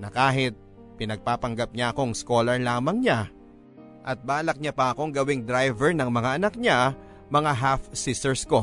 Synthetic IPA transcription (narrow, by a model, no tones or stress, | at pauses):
nɐkaːɦɪt̪̚ | pɪnɐɡ̚paːpɐŋɡap̚ɲaʔɐko̞ŋsko̞ːlɐɹlaːmɐŋɲa | ʔɐt̪̚baːlɐk̚ɲapɐʔɐko̞ŋɡɐwɪŋd̪ɾajvɛɹnɐŋmɐŋaʔɐnɐk̚ɲa | mɐŋaɦafsist̪ɛɹsko̞